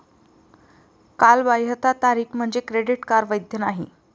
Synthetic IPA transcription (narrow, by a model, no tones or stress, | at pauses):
kalbajət̪at̪aɾiːkm̤əɳd͡zekɾeɽiʈkaɾʋəjd̪ʱjənaɦḭ